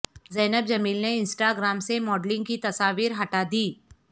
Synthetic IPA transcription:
zɛːnəbd͡ʒɐmiːlneɪ̃nsʈaːɡɾaːmsemɔːɖlɪ̃ŋɡkit̪ɐsaːʋiːɾɦɐʈad̪iː

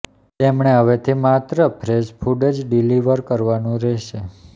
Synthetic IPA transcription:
t̪emɳ̃eɦəʋet̪ʰimat̪ɾəpʰɾespʰuɖəd͡ʒɖiliʋəɾkəɾʋanũɾɛʃe

